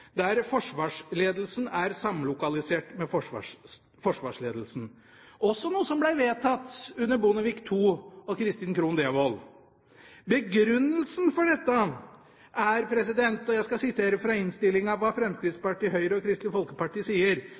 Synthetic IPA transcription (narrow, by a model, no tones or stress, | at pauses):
d̪æɾfɔʂʋɑːʂleːd̪əl̩sn̩æɾsɑmlʊkɑlɪseːʈmɛfɔʂ | fɔʂʋɑːʂɭeːd̪lsn̩ | ʔɔsːɔnuːəsɔmblæɪʋeːt̪ʰɑt̪ːʉnːəbʊnəʋikt̪ʰuːɔkʰɾɪst̪iːnkʰɾuːnd̪eːʋol | bəɡɾʉnːəlsnfɔɖɛt̪ːə | ʔæɾpʰɾɛs̬ɪd̪ɛnt̪ɔjæɪskɑsɪt̪ʰeːɾəfɾɑɪnst̪ɪlːɪŋɑʋʋɑːfɾɛmskɾɪt̪spɑʈiːɦœʏɾəɔkʰɾɪst̪lɪfɔlkəpɑʈiːsiːəɾ